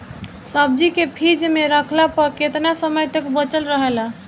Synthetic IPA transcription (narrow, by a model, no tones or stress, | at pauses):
səb̚d͡ʒikepʰid͡ʒmeɾəkʰlapəɾket̪nasəməjt̪ekbət͡ʃəlɾəɦela